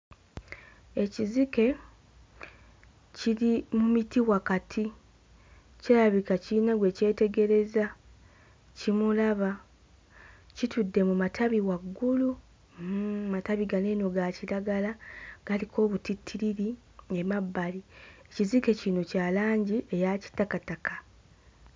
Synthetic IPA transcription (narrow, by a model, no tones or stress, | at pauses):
e̞cizike̞ | ciɾimumitiwakatʰi | celaβikaciinaɡwe̞ce̞ːte̞ɡe̞ɾe̞za | cimulaβa | citudːe̞mumatʰaβiwaɡːulu | mataβiɡaneːno̞ɡaciɾaɡalaɡ̥alikʰo̞ːβutitʰːiɾiɾi | emabːaliecizike̞cino̞caːlaːɲɟiʔe̞jaci̥tːakatakḁ